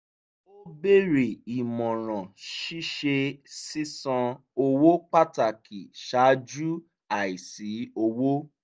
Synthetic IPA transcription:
o˦be˦˨ɾe˨i˨mɔ̃˨ɾ̃ã˨ʃi˦ʃe˧si˦sɔ̃˧ | o˧wo˦k͡pa˦ta˨ki˨ʃa˨˦d͡ʒu˦ | a˨i˨si˨˦o˧wo˦

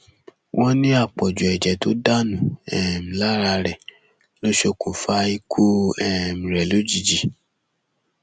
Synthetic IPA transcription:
wʔɔ̃˦nĩ˦a˦˨k͡pɔ˨d͡ʒu˨ɛ˨d͡ʒɛ˨to˦da˦nũ˨ɛ˨m̩̃˨la˦ɾa˧ɾɛ˨ | lo˦ʃo˧kʰo˨fa˧i˦kʰu˦ɛ˦˨m̩̃˨ɾɛ˨lo˨˦d͡ʒi˨d͡ʒi˨

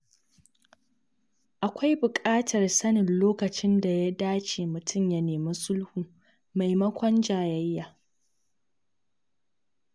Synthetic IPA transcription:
ʔa˨kʷa˦jbʊ˨kʼaː˦tʰɐ˨rsɐ˦nɪ˨nloː˦kɐ˨t͡ʃɪ˦nda˨ja˦daː˦t͡ʃeː˨mʊ˨tʰʊ˦˨mjɐ˦neː˨mɪ˦sʊ˦lhuː˨ | ma˨jmɐ˦kʷɔ˦nd͡ʒaː˨jɐ˦jːaː˨

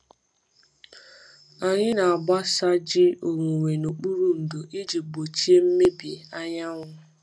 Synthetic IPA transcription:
a˨ɲɪ˦na˨a˨ɡ͡ba˦sa˦d͡ʒɪ˦o˨ŋʷu˨ŋʷe˨no˨k͡pu˦ɾu˨n̩˨do˨ʔi˦d͡ʒi˨ɡ͡bo˨t͡ʃi˦e˦m̩˦me˦bje˨a˦ɲa˦ŋʷʊ˦

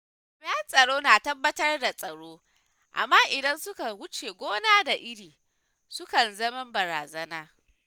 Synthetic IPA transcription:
mɐ˦a˦sʼɐ˨ɽoː˦naː˨tɐ˦bːɐ˦tɐ˦rda˨sʼɐ˨ɽoː˦ | ʔa̰˨mːaː˦ʔɪ˨dɐ˦nsʊ˦ka˨wʊ˦t͡ʃeː˨ɡʷoː˦naː˦da˨ʔɪ˦ɽiː˨ | sʊ˦kɐ˨nzɐ˦mɐ˦mbɐ˨ɾa̰ː˨zɐ˦naː˦

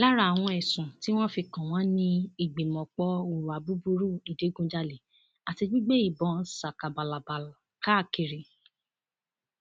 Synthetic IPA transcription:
la˦ɾa˦˨a˨w̃ɔ̃˧ɛ˨sũ˨ti˦w̃ɔ̃˦fi˧kã˨w̃ɔ̃˨˦nĩ˧i˨ɡ͡be˨mɔ̃˨k͡pɔ˧˦u˨ɾu˨a˨bu˨˦bu˧ɾu˦˨i˨de˨˦ɡũ˧d͡ʒa˧le˨ | a˨ti˧d͡ʒu˦ɡ͡be˦i˨bɔ˨˦n̩˦sa˨ka˨ba˨la˨ba˨lka˦˨ki˨ɾi˨

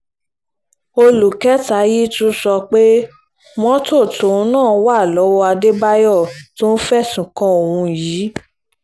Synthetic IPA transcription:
o˧lu˨kɛ˦ta˨˦ji˦tu˦sɔ˧k͡pe˦ | mɔ̃˦to˦˨tõ˨˦nãː˦˨˦wa˦˨lɔ˨˦wɔ˦a˧de˦ba˦jɔ˦˨to˦n̩˦fɛ˦˨sũ˨kã˧o˨wũ˧jiː˨˦

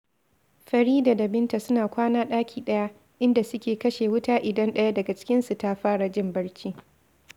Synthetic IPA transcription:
ɸɐ˨ɾiː˦daː˨da˨bɪ˦nta˨sʊ˦naː˨kʷaː˦naː˦ɗaː˦kʲʰiː˨ɗɐ˦ja˦ | ʔɪ˦nda˨sʊ˦kʲeː˨kɐ˦ʃeː˨wʊ˦taː˦ʔɪ˨dɐ˦nɗɐ˦ja˦dɐ˨ɡa˨t͡ʃɪ̥˦kʲɪ˦nsu˨ta˦ɸaː˦ɽa˨d͡ʒɪ˦˨mbɐ˦ɽt͡ʃʲiː˦

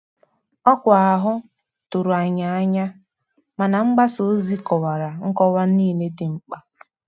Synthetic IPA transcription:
ɔ˦kʷʊ˨a˨ɦʊ˦ | tu˨ɾu˨a˨ɲa˨a˦ɲa˦ | ma˨na˨ŋ͡m̩˦ɡ͡ba˦so˨˦zi˦kɔ˨wa˨ɾa˨ŋ̩˦kɔ˦wa˦n˦iː˦˨le˦dɪ˨ŋ͡m̩˦k͡pa˦

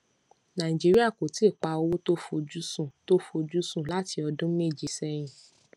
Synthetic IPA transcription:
nã˨ĩ˨d͡ʒi˦ɾi˦a˦˨ko˨ti˦e˦˨k͡pa˧o˧˦wo˦to˦fo˧d͡ʒu˦sũ˦˨to˦fo˧d͡ʒu˦sũ˦˨la˦ti˧ɔ˧dũ˦me˦˨d͡ʒi˨sɛ˧j̃ĩ˨

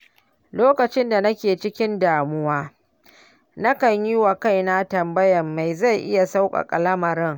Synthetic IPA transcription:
loː˦kɐ˨t͡ʃɪ˦nda˨nɐ˦kʲeː˨t͡ʃɪ˦kʲɪ˦ndaː˨mʊ˦waː˦ | na˦kɐ˨ɲji˦wa˨ka˦˨jna˦tɐ˨mbɐ˦jɐ˨mːa˨jza˦˨jʔɪ˦ja˨sa˦wkʼa̰˨kʼɐ˨lɐ˦mɐ˨ɾɪ˦ŋ

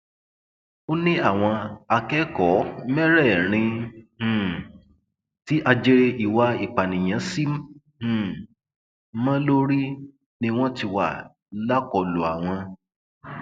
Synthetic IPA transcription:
o˦nĩ˦a˦˨w̃ɔ̃˧a˧kɛ˦kɔ˨˦mɛ˦ɾɛ˦˨ɾ̃ĩ˧˨ | ti˨˦ʔa˧d͡ʒe˧ɾe˧i˨wa˧i˨k͡pa˨nĩ˨j̃ã˨˦sĩ˦˨ | mã˦lo˦ɾi˦ | nĩ˧w̃ɔ̃˦ti˧wa˨ | la˦kɔ˨lu˨a˨w̃ɔ̃˧

